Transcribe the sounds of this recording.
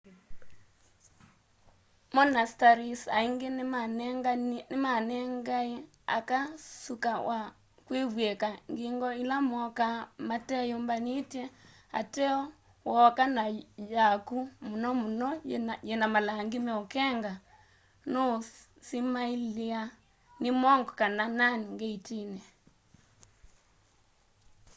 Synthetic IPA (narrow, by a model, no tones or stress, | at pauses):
mɔnastaɾisa̰iŋɡeɡnmanɛŋɡae | a̰kasukawʔa | kweβwɛkaŋɡeŋɡɔilamɔkamatɛjombanitjɛ | a̰tɛɔ | wɔkanajakumunɔmunɔjɛnamalaŋɡimɛokɛŋɡa | no | simailia | nimɔŋɡɔkanananŋɡeitinɛ